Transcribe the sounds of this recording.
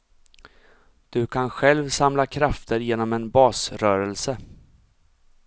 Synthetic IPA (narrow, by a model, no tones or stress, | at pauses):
d̪̥ɵkʰanɧɛlvsamlakʰɾaft̪ʰəɾjeːnɔmɛnbɑːsɾœːɾɛlsə